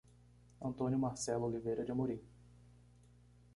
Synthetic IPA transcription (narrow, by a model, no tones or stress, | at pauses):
ɐ̃nt̪õnjʊmaɾsɛlʊolivejɾɐd͡ʒɪɐmoɾĩ